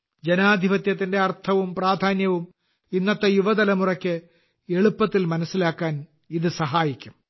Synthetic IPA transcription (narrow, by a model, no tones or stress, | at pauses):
d͡ʑenaːd̪ʱibɐt̪jɐt̪̬ːinde̞ɐrt̪ʰɐʋumpraːd̪ʱaːnjɐʋum | inːɐt̪ːɐjuʋɐd̪ɐlɐmurɐkʲːɨ | e̞ɭupːɐt̪ːilmɐnɐsːilaːkːaːn | iðɨsɐɦaːjikʲːum